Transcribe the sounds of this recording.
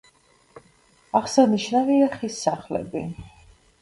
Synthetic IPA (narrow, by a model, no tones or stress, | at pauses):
aχsaniʃnaviaχisːaχlɛ̰bḭ